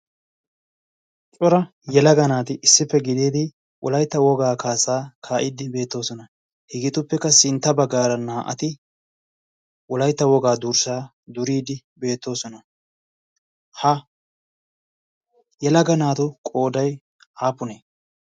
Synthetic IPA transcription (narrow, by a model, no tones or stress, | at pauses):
t͡ʃʼɔɾɐ | jɛlɐɡɐnaːt̪ɪʔɪsːɪpːɛɡɪd̪eːd̪ɪ | wʔɔlɐjt̪ːɐwɔɡaːkaːsaːkʰaːʔɪd̪ɪbe̞ːt̪ːo̞ːsɔnɐ | hɪɡɪt̪ʊpːɛkːɐsɪnt̪ːɐbɐɡːaːɾɐnaːʔɐ̰t̪ɪ | wɔlɐjt̪ːɐwɔɡaːd̪uːɾsaː | d̪ʊɾiːd̪ɪ | be̞ːt̪ːo̞ːsɔnɐ | hɐ | jɛlɐɡɐnaːt̪ʊkʼo̞ːd̪ɐj | ʔaːpːʊneː